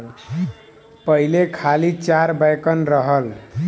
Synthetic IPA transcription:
pəɦilekʰalit͡ʃaɾbajkənɾəɦəl

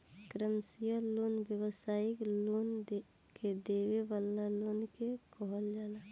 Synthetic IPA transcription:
kɾəmsijəlonbjəwəsaːiklond̪ | ked̪eweʋalːalonkekɔɦəld͡ʒaːla

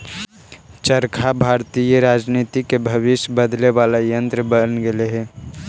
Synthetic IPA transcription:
t͡ʃəɾkʰabʱaːɾt̪ijəɾaːd͡ʒnit̪ikebʱəβɪʃjbəd̪lebaːlajə̃nt̪ɾəbənɡeleɦɛ

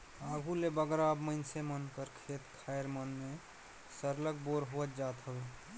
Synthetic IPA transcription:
aɡʱulebəɡɾaəbməɪnsemənkəɾkʰet̪kʰajɾmənme | səɾlək̚boɾɦoət̪̚d͡ʒat̪ɦəbe

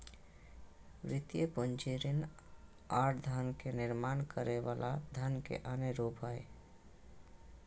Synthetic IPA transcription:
ʋɾɪt̪jəpʊnt͡ʃiɾin | aʈd̪ʱənkenɪɾmaːnkəɾeʋalad̪ʱənkḛʔaneɾopae

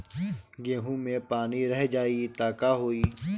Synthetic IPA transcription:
ɡeːɦũːmẽpaːniɾəɦd͡ʒaːiːt̪aːkaːɦoːiː

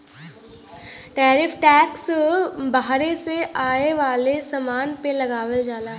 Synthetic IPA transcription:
ʈɛːɾɪfʰʈɛːksbaɦɾeseʔaːeʋaːlesɐmaːnpelɐɡaːʋəld͡ʒaːlaː

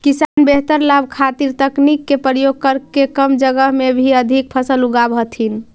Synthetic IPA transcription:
kisanbeɦt̪əɾlabʱkʰat̪iɾt̪əknikːepɾəjoɡ̚kəɾkekəmd͡ʒəɡəɦmebʱiəd̪ʱik̚pʰəsəluɡabʱət̪ʰin

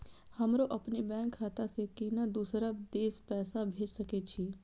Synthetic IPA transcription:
həmɾoʔɐpnebɛ̃ːŋkʰːaːt̪asekinad̪uːsɾad̪eːspɛːsabʱeːd͡ʒsəket͡ʃʰiː

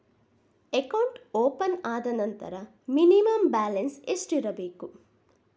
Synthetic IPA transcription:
ekɐwɳʈoːpɐnaːd̪ɐnɐnt̪ɐ̰ɾɐ | minimɐmbaːlensesʈiɾɐbeːku

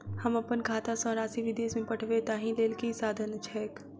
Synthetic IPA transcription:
həməpənkʰaːt̪asɔ̃ɾaːsiʋɪd̪eːsmẽpəʈʰʋet̪aɦĩleːlkisaːd̪ʱənt͡ʃʰɛːk

